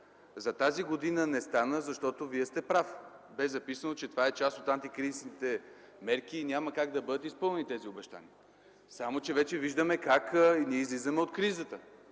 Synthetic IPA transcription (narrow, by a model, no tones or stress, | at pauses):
zɐt̪aziɡod̪inənɛst̪anəzɐʃt̪ɔt̪oviɛst̪ɛpɾafbɛzɐpisənot͡ʃɛt̪ovaɛt͡ʃast̪ot̪ant̪ikɾizisnit̪ɛ | mɛɾkiːnʲaməkaɡd̪ɐbɤd̪ət̪ispɤlˠnɛnit̪ɛziobɛʃt̪a̰niə | samot͡ʃɛvɛt͡ʃɛviʒd̪əmɛkakniizlizəmɛot̪kɾizət̪ə